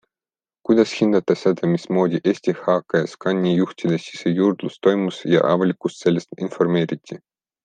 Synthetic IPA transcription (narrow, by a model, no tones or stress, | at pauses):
kujd̪ɑshind̪̥ɑt̪ːˑɑsed̪ɑmismo̞ːd̪ʲiʔeːsʲt̪ihɑːkːɑjɑskɑnʲːijuht̪ʲid̪esʲisejurd̪̥lust̪o̞jmusjɑ̰ʔɑ̰vɑlʲikust̪se̞lʲːest̪info̞rme̞ːɾit̪ʲːi